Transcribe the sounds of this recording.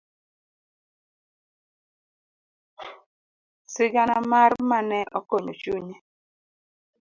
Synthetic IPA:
sɪɡanamaɾmanɛʔɔkoɲo̰t͡ʃuɲe

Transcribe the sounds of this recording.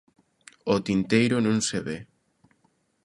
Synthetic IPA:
ot̪int̪ejɾʊnũŋseβe

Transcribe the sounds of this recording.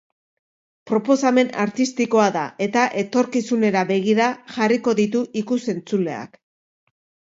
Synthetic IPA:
pɾo̞po̞same̞na̰ɾt̪ist̪iko̞aðae̞t̪aʔe̞t̪o̞ɾkisune̞ɾaβe̞ɣ̞iɾaʝariko̞ðit̪̬uʔikuse̞nt͡sule̞̰a̰k

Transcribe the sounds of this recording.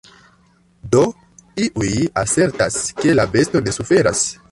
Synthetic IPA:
do̞ | iʔujase̞ɾtaske̞labe̞sto̞ne̞sufe̞ɾa̰s

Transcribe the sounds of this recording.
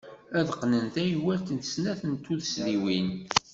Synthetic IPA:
æðqːnənθæjwælt̪ənsnæθənt̪ːuðəsliwin

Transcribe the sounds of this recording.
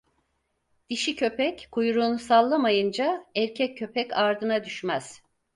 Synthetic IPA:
d̪̥iʃicʰø̞pɛckʰujɾuːnusalˠːamajɯnd͡ʒaɛɾcʰɛcʰːø̞pʰɛcaɾd̪ɯnad̪yʃmæz̥

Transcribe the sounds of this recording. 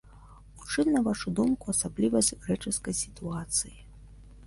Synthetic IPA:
ut͡ʂɨmnɐvaʂud̪umkuɐsablʲivɐsʲɣɾɛt͡ʂɨskɐjsʲit̪uat̪sɨji

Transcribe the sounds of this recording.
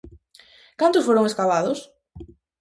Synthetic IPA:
kant̪ʊsfoɾʊŋeskaβaðʊs

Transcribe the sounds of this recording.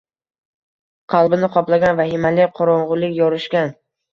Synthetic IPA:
qʰɑlˠbɪnɪqʰɒplˠaɡʲanvahɪmalɪqʰɒɾɒɴʁʊlɪkʲjɒɾɪʃkʲan

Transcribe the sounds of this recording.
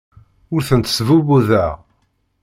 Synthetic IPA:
ʊɾθənt̪svuβuðæ

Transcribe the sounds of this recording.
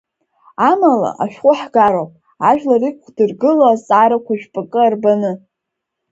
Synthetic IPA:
amala̰ʔaʃᶣqʷʼʊħɡaɾowpʼ | aʒᶣlarɨkʷʰdɨrɡɨloat͡sʼaɾakʷaʒᶣpʼakʼɨarbanɨ

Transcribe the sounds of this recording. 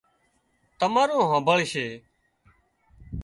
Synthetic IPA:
t̪əmaːɾõːɦãːbəɭʃeː

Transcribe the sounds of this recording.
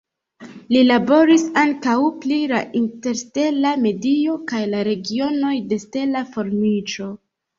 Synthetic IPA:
lilabo̞ɾisaŋkawplilaʔinte̞ɾste̞lame̞dio̞kajlaɾe̞ɡio̞no̞jde̞ste̞lafo̞ɾmit͡ʃo̞

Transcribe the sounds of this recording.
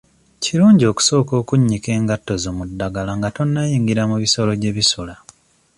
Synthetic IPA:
ciɾuːɲɟio̞ːku̥so̞ːko̞ːkuɲːike̞ːŋɡatːo̞zomudːaɡalaŋɡato̞nːajiːŋɡiɾamuβiso̞lo̞ɟe̞βisula

